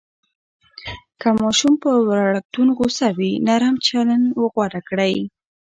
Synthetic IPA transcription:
kamɑʃumpəwɾaɽak̚t̪unɣosawinaɾamt͡ʃalanwəɣwaɽakɽaj

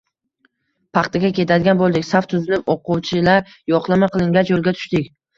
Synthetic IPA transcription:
pʰɑχt̪ʰɪɡʲakʲʰe̞t̪ʰad̪ɪɡʲanbolˠd̪ɪkʲsaft̪ʰʊzɪlɪpoqʊwt͡ʃʰɪlaɾ | jɒqlˠamaqʰɨlˠɪŋɡʲat͡ʃjolˠɡʲat̪ʰʊ̥ʃt̪ɪkʲ

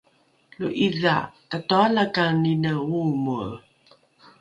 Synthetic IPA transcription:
luʔiðatatoalakaninəumu

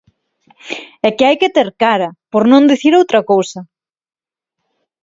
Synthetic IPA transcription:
ɛkɪajkɪt̪eɾkaɾɐpoɾnõnd̪iθiɾowt̪ɾɐkowsɐ

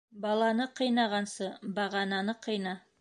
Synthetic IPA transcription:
bɑlˠɑnɤqɤ̆jnɑʁɑnsɤbɑʁɑnɑnɤqɤ̆jnɑ

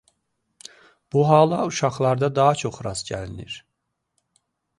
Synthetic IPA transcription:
b̥uɦɑːlˠɑuʃɑχlˠɑɾd̪ɑd̪ɑɦɑt͡ʃʰo̞χɾɑz̥ɟæ̰linḭɾ

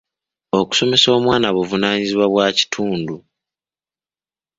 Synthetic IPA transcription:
o̞ku̥so̞me̞so̞ːmwaːnaβuvunaːɲiziβwaβwaːci̥tʰuːndu

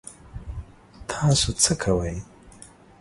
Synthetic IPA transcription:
t̪ʰɑsut͡səkʰawəj

